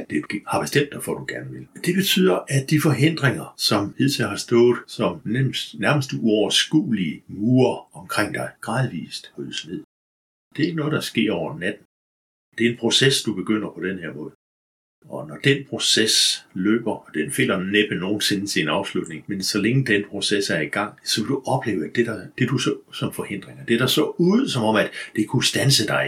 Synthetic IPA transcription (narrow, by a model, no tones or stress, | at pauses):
d̥e̥hɑ̈b̥e̝sd̥em̰d̥ɑɪfɒd̥uɡ̥æɐnəʋe̝ld̥e̝b̥e̝t͡sʰy̰ːð̰ˠɐʔæd̥ifɒ̽ɦen̰d̥ʁeŋɐsɒ̽mhe̝ðˠt͡sʰeɐɦɑ̈sd̥ɔ̽ːð̩ˠsɒ̽mnesnæɐməsd̥uɒʊɐsɡ̥ṵːliəmuːɐɒ̽mkʰʁeŋ̰d̥ɑ̈ɪɡ̥ʁɑ̈ːðˠʋḭːsd̥hɔsne̝ð̰ˠ | d̥e̝ɐe̝ɡ̥ənɔ̽ːð̩ˠdɑ̈sɡ̥e̝ɐ̰ɒʊɐnæd̥n̩ | d̥e̝ɐenpʰʁo̝sesd̥ub̥e̝ɡ̥øn̰ɐpʰɒ̽d̥enheɐ̰mɔ̽ːðˠ | ɒ̽nɒd̥enpʰʁo̝seslø̰ːb̥ɐɒd̥enfe̝l̰ɐneb̥əno̝ːn̩se̝nət͡sʰe̝̥inɑ̈ʊslud̥ne̝ŋmensɒ̽leŋəd̥enpʰʁo̝sesæɐiɡ̥ɑ̈ŋ̰sɒ̽ʋe̝d̥uʔɒ̽b̥le̝ːʊæd̥e̝ɾ̥ɑd̥ed̥usɒsɒ̽mfɒ̽he̝n̰d̥ʁeŋɐd̥eɐɾ̥ɑsɒuːð̩ˠsɒ̽mɒ̽m̰æd̥d̥e̝kʰusd̥ænsəd̥ɑ̈ɪ